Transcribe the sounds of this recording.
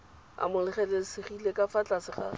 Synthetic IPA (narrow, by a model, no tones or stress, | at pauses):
a̰mʊlɪχɛlesɪχilekafat͡ɬasɪχa̰